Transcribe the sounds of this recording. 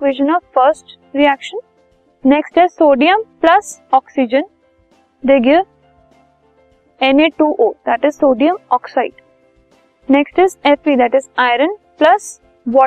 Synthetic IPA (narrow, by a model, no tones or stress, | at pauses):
kʋeʃə̃nɔʋfəɾsʈ | ɾiækʃə̃n | neksʈɪzsoːɖiə̃mplʌsɔːksid͡ʒə̃n | d̪eːɡɪʋ | ẽneːʈuːʔoːd̪̥æʈɪzsoːɖiə̃mɔːksaɪɖ | neksʈɪzefid̪æʈɪzaɪɾə̃n | plɐs | ʋɔː